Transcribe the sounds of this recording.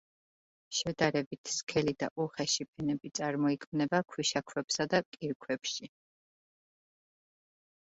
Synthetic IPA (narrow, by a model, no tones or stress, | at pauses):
ʃɛd̪aɾɛbit̪ʰskʰɛlid̪a̰ʔuχɛʃipʰɛnɛbit̪sʼaɾmɔikʰmnɛbakʰwiʃakʰwɛpsad̪akʼiɾkʰwɛpʃi